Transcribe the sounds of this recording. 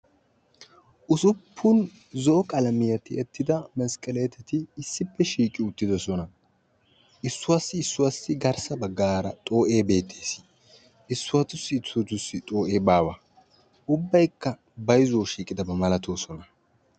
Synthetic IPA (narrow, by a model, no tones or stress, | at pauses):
ʔʊsʊpʰːʊn | zɔʔɔkʼɐlɐmɪjɐt̪ɪɛt̪ːɪd̪ɐmɐskʼɐlɛt̪ɛt̪ɪːsːɪpːɛʃiːkʼːɪʊt̪ːɪd̪ɔsɔnɐ | ʔɪsːʊwɐsːɪsːʊwɐsːɪɡɐɾsɐbɐɡːaːɾɐt̪ʼo̞ːʔe̞ːbe̞ːt̪ʰːeːs | ʔɪsːʊwɐt̪ʊsːɪːt͡sːʊt̪ʊsːɪt̪ʼo̞ːʔe̞ːbaːwɐ | ʊbːɐjkːɐ | bɐjzoːʃiːkʼɪd̪ɐbɐmɐlɐt̪ʰoːsɔnɐ